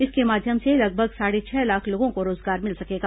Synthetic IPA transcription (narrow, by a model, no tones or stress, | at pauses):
ɪskemaːd̪ʱjəmselɐɡ̚bʱəɡsaːɽet͡ʃʰɛːlaːkʰloːɡõkoɾoːzɡaːɾmɪlsɐkeːɡaː